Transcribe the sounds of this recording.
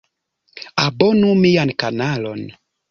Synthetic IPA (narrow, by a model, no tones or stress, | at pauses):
abɔnumijankanalon